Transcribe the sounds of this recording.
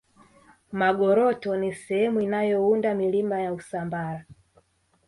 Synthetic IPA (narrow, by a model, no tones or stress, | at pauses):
maɡɔɾɔtɔnisɛhɛmuinajɔundamilimbajausambaɾa